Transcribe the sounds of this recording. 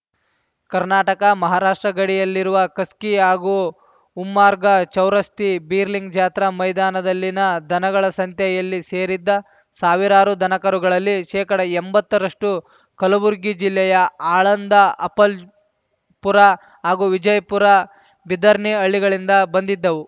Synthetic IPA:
kɐɾnaːʈɐkɐmɐɦaːɾaːʂʈɾɐɡɐɽijɐlːiɾuʋɐkɐskiɦaːɡuː | mːaːɾɡɐt͡ʃɐwɾɐst̪ibiːɾliŋɡd͡ʒaːt̪ɾɐmɐjd̪aːnɐd̪ɐlːinɐd̪ʱɐnɐɡɐɭɐsɐnt̪ʰjɐjɐlːiseːɾid̪ːɐ | saːʋiɾaːɾud̪ʱɐnɐkɐɾuɡɐɭɐlːiʃɛːkɐɽɐembɐt̪ːɐɾɐʂʈu | kɐlɐʋuɾɡid͡ʒilːɛjɐaːɭɐnd̪ɐʔɐpɐl | puɾɐ | ɦaːɡuːʋid͡ʒɐjpuɾɐ | bid̪ɐɾɳiɐɭːiɡɐɭind̪ɐbɐnd̪id̪ːɐʋu

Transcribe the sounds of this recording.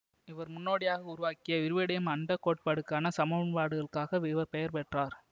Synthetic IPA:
ɪʋɐɾmʊnːoːɽɪjaːɣɐʊɾʊʋaːkɪjɐʋɪɾɯʋɪɽɐjɐmɐɳɖɐkːoːʈ̚pɐɽɯkːaːnɐsɐmɐɐnpaːɽɯɣɐɭkaːɣɐʋɪʋɐɾpɛjɐɾpɛʈraːɾ

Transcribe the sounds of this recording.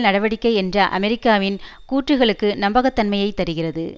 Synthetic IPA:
nɐɽɐʋɐɽɪkːɐɪɛndrɐʔɐ̰mɛɾɪkːaːʋɪn | kuːʈrɯɣɐɭɯkːɯnɐmbɐɣɐt̪ːɐnmɐjɐɪt̪ːɐɾɯɣɪrɐðɯ

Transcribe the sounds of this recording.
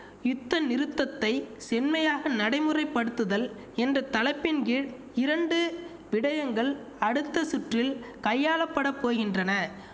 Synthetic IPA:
jʊt̪ːɐnɪɾɯt̪ːɐt̪ːɐɪsɛnmɐjaːɣɐnɐɽɐɪmɯrɐɪpːɐɽɯt̪ːɯðɐl | ɛndrɐt̪ɐlɐɪpːɪnɡeːɻ | ɪɾɐɳɖɯ | ʋɪɽɐjɐŋɡɐɭ | ɐɽɯt̪ːɐsʊʈrɪlkɐjːaːlɐpːɐɽɐpːoːɣɪndrɐnɐ

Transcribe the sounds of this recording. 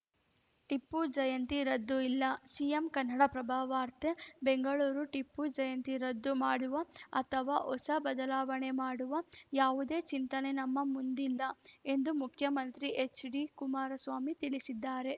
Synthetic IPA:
ʈipːud͡ʒɐjɐnt̪iɾɐd̪ːuilːɐsijemkɐnːɐɽɐpɾɐbʱaːʋaːɾt̪ʰebeŋɡɐɭuːɾuʈipːud͡ʒɐjɐnt̪iɾɐd̪ːumaːɽuʋɐɐt̪ʰɐʋaːʔɔsɐbɐd̪ɐlaːʋɐɳe̞maːɽuʋɐjaːʋud̪e̞ːt͡ʃint̪ɐnenɐmːɐmund̪ilːɐe̞nd̪umukʰjɐmɐnt̪ɾiʔet͡ʃɖikumaːɾɐsʋaːmit̪iɭisid̪ːaːɾe̞

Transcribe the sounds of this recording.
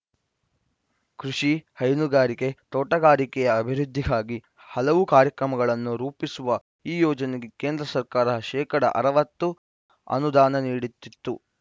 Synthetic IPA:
kɾuʂihɐjnuɡaːɾike̞t̪ɔːʈɐɡaːɾikɛjɐːbʱiɾud̪ʱːiɡaːɡi | hɐlɐʋukaːɾjɐkɾɐmɐɡɐɭɐnːuɾuːpisuʋɐ | iːjɔːd͡ʒɐneɡeke̞ːnd̪ɾɐsɐɾkaːɾɐʃɛːkɐɽɐ̰ʔɐ̰ɾɐʋɐt̪ːu | ɐ̰nud̪aːnɐniːɽit̪ːit̪ːu

